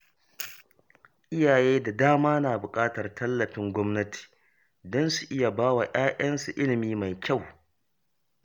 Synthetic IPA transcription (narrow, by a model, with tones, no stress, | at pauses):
ʔɪ˦jaː˨jeː˦da˨daː˦maː˦naː˨bʊ˨kʼaː˦tɐ˨rtʰɐ˦lːɐ˨ɸɪ˦ŋɡʷɔ˦mnɐ˦ti̥ː˨ | dɔ˦nsu˨ʔɪ˦ja˨baː˦wa˨j̰aː˦ʔɐ˦nsu˨ʔɪ˦lɪ˨miː˦ma˨jkʲa˦˨w